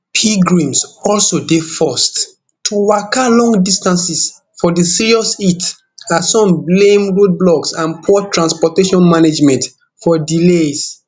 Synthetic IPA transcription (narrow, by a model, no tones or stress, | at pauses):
pʰiɡɹĩmsɔlsodefɔst | tʰuwakalɔ̃ŋɡdistãnsis | fɔdisiɹiɔsit | asɔ̃mblẽmɹod̚blɔksãnpʰɔtɹãnspɔteʃɔ̃nmaned͡ʒmɛ̃nt | fɔdiles